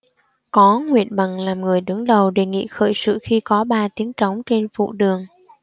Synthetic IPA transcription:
kɔ˨˦ŋwḭ˧˨ənɓa˨˩ŋlaː˨˩mŋɨ˨˩əjɗɨ˨˦ŋɗə˨˩wɗe˨˩ŋḭ˧˨xə̰ː˧˩jsɨ̰˧˨xi˧kɔ˨˦ɓaː˧t̪i˨˦əŋt͡ɕə˨˦wŋ͡mt͡ɕe˧nfṵ˧˨ɗɨ˨˩əŋ

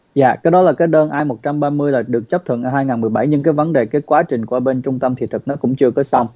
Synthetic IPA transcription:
za̰ː˧˨kaː˨˦jɗɔ˨˦laː˨˩kaː˨˦jɗəː˧nʔaː˧jmo˨˩t̚t͡ɕa˧mɓaː˧mɨ˧əjlaː˨˩ɗɨ˨˩ək̚t͡ɕə˦˥p̚t̪ʰɨ̰˧˨nʔaː˧˩haː˧jŋaː˨˩nmɨ˨˩əjɓa˧˩jɲɨ˧ŋkaː˨˦jvə˨˦nɗe˨˩kaː˨˦jkwaː˨˦t͡ɕï˨˩ŋ̟ku˧˩a˧ɓe˧nt͡ɕʊ˧ŋ͡mt̪ə˧mt̪ʰḭ˧˨t̪ʰɨ˨˩k̚nɔ˨˦kʊ̰˧˥ŋ͡mt͡ɕɨ˧əkɔ˨˦sa˧wŋ͡m

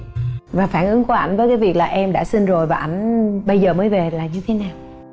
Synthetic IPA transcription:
vaː˨˩faː˧˩nʔɨ˨˦ŋku˧˩əʔa˧˩j̟vəː˨˦jkaː˨˦jvi˨˩ək̚laː˨˩ʔɛ˧mɗa̰ː˧˥sï˧n̟zo˨˩jvaː˨˩ʔa˧˩jŋ̟ɓə˧jzəː˨˩məː˨˦jve˨˩laː˨˩ɲɨ˧t̪ʰe˨˦naː˨˩w

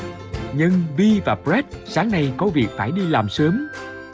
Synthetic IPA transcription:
ɲɨ˧ŋvi˧vaː˨˩pɾɛ˦˥t̚saː˨˦ŋna˧jkɔ˨˦vi˨˩ək̚faː˧˩jɗi˧laː˨˩msəː˨˦m

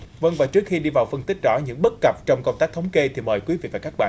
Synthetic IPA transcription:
və˧ŋvaː˨˩t͡ɕɨ˦˥ək̚xi˧ɗi˧vaː˨˩wfə˧nt̪ï˦˥k̟̚zɔ̰˧˥ɲɨ̰˧˥ŋɓə˦˥t̚kə˨˩p̚t͡ɕɔ˧wŋ͡mko˧ŋ͡mt̪aː˦˥k̚t̪ʰwŋ͡mke˧t̪ʰi˨˩məː˨˩jkwi˨˦vḭ˧˨vaː˨˩kaː˦˥k̚ɓa̰ː˧˨

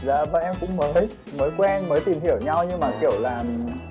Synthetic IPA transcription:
zaː˧˩vaː˨˩ʔɛ˧mkʊ̰˧˥ŋ͡mməː˨˦j | məː˨˦jkwɛ˧nməː˨˦jt̪i˨˩mhi˧˩əwɲa˧wɲɨ˧maː˨˩ki˧˩əwlaː˨˩mi˨˩ŋ˨˩

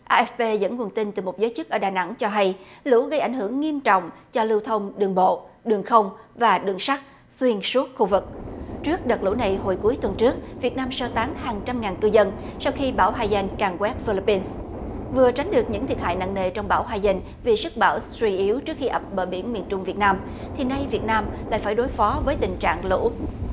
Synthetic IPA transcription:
ʔaː˧ʔɛ˦˥fpe˧zə̰˧˥nŋu˨˩ənt̪i˧nt̪ɨ˨˩mo˨˩t̚zəː˨˦jt͡ɕɨ˦˥k̚ʔəː˧˩˦ɗaː˨˩na̰˧˥ŋt͡ɕɔ˧ɦa˧jlṵ˧˥ɣə˧jʔa˧˩jŋ̟hɨ˧˩əŋːi˧əmt͡ɕɔ̰˧˨wŋ͡mt͡ɕɔ˧lɨ˧wt̪ʰə˧wŋ͡mɗɨ˨˩əŋɓo̰˧˨ | ɗɨ˨˩əŋxə˧wŋ͡m | vaː˨˩ɗɨ˨˩əŋsa˦˥k̚ | swi˧ənsu˦˥ət̚xu˧vɨ˨˩k̚t͡ɕɨ˦˥ək̚ɗə˨˩t̚lṵ˧˥na˨˩jɦo˧˩jku˨˦jt̪wə˨˩nt͡ɕɨ˦˥ək̚vi˨˩ət̚naː˧msəː˧t̪aː˨˦ŋhaː˨˩ŋt͡ɕa˧mŋaː˨˩nkɨ˧zə˧n | sa˧wxi˧ɓaː˧˩wɦaː˧jza˧jŋkaː˨˩ŋkwɛ˦˥t̚fi˧li˧pːi˧ns | vɨ˨˩ət͡ɕa˨˦ŋ̟ɗɨ˨˩ək̚ɲɨ̰˧˥ŋt̪ʰi˨˩ət̚ha̰ː˧˨jna̰˧˨ŋnḛ˨˩t͡ɕɔ˧wŋ͡mɓaː˧˩wɦaː˧jza˧jŋ̟ | vi˨˩sɨ˦˥k̚ɓaː˧˩wswi˧ʔi˨˦əwt͡ɕɨ˦˥ək̚xi˧ʔə˨˩p̚ɓəː˧˩ɓḭ˧˩ənmi˨˩ənt͡ɕʊ˧ŋ͡mvi˨˩ət̚naː˧m | t̪ʰi˨˩na˧jvi˨˩ət̚naː˧mlaː˧˨jfaː˧˩jɗo˨˦jfɔ˨˦vəː˨˦jt̪ï˨˩ŋt͡ɕa̰ː˧˨ŋlṵ˧˥

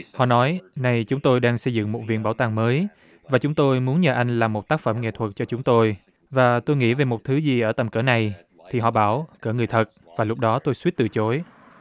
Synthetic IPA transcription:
hɔ̰˧˨nɔ˨˦jna˨˩jt͡ɕʊ˨˦ŋ͡mt̪o˧jɗaː˧ŋsə˧jzɨ̰˧˨ŋmo˨˩t̚vḭ˧˨ənɓaː˧˩wt̪aː˨˩ŋməː˨˦j | vaː˨˩t͡ɕʊ˨˦ŋ͡mt̪o˧jmu˨˦ənɲəː˨˩ʔa˧jŋ̟laː˨˩mo˨˩t̚t̪aː˦˥k̚fə˧˩mŋḛ˧˨t̪ʰwə˨˩t̚t͡ɕɔ˧t͡ɕʊ˨˦ŋ͡mt̪o˧j | vaː˨˩t̪o˧jŋḭ˧˥ve˨˩mo˨˩t̚t̪ʰɨ˨˦zi˨˩ʔəː˧˩t̪ə˨˩mkəː˧˩na˨˩j | t̪ʰi˨˩ɦɔ̰˧˨ɓaː˧˩wkəː˧˩ŋɨ˨˩əjt̪ʰə˨˩t̚ | vaː˨˩lʊ˦˥k͡p̚ɗɔ˨˦t̪o˧jswi˦˥ət̚t̪ɨ̰˧˨t͡ɕo˨˦j

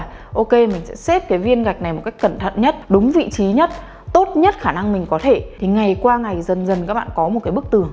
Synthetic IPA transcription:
ʔo˧ke˧mï˨˩ŋ̟sɛ̰˧˥sɛ˦˥p̚kaː˨˦jvi˧ənɣa˨˩jk̟̚na˨˩jmo˨˩ka˦˥k̟̚kə˧˨nt̪ʰə̰˧˨nɲə˦˥t̚ɗʊ˨˦ŋ͡mvḭ˧˨t͡ɕi˨˦ɲə˦˥t̚ | t̪o˦˥t̚ɲə˦˥t̚xaː˧˩na˧ŋmï˨˩ŋ̟kɔ˨˦t̪ʰe˧˩t̪ʰi˨˩ŋa˨˩jkwaː˧ŋa˨˩jzə˨˩nzə˨˩nkaː˦˥k̚ɓa̰ː˧˨nkɔ˨˦mo˨˩t̚kaː˨˦ɓɨ˦˥ək̚t̪ɨ˨˩əŋ

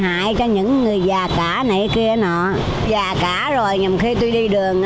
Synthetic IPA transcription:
ha̰ː˧˨jt͡ɕɔ˧ɲɨ̰˧˥ŋːɨ˨˩əjzaː˨˩kaː˧˩na˨˩jki˧ənɔ̰˧˨ | zaː˨˩kaː˧˩˦zo˨˩jɲa˨˩mxi˧t̪u˧jɗi˧ɗɨ˨˩əŋ

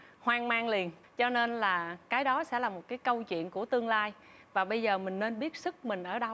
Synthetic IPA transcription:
hwaː˧ŋmaː˧ŋli˨˩ən | t͡ɕɔ˧ne˧nlaː˨˩kaː˨˦jɗɔ˨˦sɛ̰˧˥laː˨˩mo˨˩t̚kaː˨˦jkə˧wt͡ɕwḭ˧˨ənku˧˩ət̪ɨ˧əŋlaː˧j | vaː˨˩ɓə˧jzəː˨˩mï˨˩ŋ̟ne˧nɓi˦˥ət̚sɨ˦˥k̚mï˨˩ŋ̟ʔəː˧˩ɗə˧w

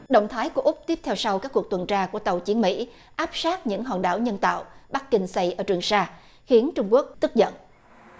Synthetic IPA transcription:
ɗo̰˧˨wŋ͡mt̪ʰaː˨˦jku˧˩əʔʊ˦˥k͡p̚t̪i˦˥əp̪̚ʰwsa˧wkaː˦˥kːu˨˩ək̚t̪wə˨˩nt͡ɕaː˧ku˧˩ət̪ə˨˩wt͡ɕi˨˦ənmḭ˧˥ | ʔaː˦˥p̚saː˦˥k̚ɲɨ̰˧˥ŋɦɔ̰ː˧˩nɗa̰ː˧˩wɲə˧nt̪a̰ː˧˨wɓa˦˥k̚kːï˧ŋ̟sa˧jʔəː˧˩t͡ɕwɨ˨˩əŋsaː˧ | xi˨˦ənt͡ɕʊ˧ŋ͡mku˦˥ək̚t̪ɨ˦˥k̚zə̰˧˨nʔ

